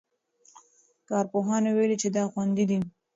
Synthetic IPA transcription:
kɑɾpoɦɑnewelit͡ʃed̪ɑxwand̪id̪i

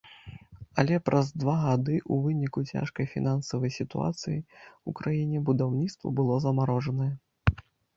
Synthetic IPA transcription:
ɐlʲɛpɾʔɐzd̪vaɣad̪ɨʔuvɨnʲikut͡sʲa̰ʂkɐjfʲḭnansɐvɐjsʲit̪ṵa̰t̪sɨjiukɾajinʲɛbud̪awnʲit̪st̪vɐ̰bɨlˠɔzɐmaɾɔʐɐnɐjɛ

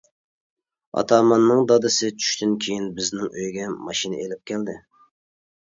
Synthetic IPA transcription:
ɑ̰t̪ʰɑːmɑnːɨŋd̪ɑd̪ɨsɪt͡ʃʰy̥ʃt̪ʰɪnkʲʰejinbɪznɪŋøjɡʲɛmɑʃinɪ̰elɪp̚kʲɛld̪ɪ̰

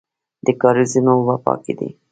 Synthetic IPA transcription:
d̪̥əkɑɾizinowapɑ̰kid̪ḭ

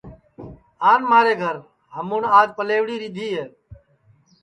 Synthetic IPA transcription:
aːnmaːɾeːɡʱəɾ | ɦəmunaːd̪̚pəleːʋɽiːɾiːd̪ʱiːɦeː

